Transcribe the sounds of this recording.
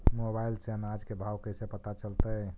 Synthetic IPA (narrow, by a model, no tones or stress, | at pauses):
mobajlsɛnad͡ʒkebʱawkəjsepət̪at͡ʃəlt̪ə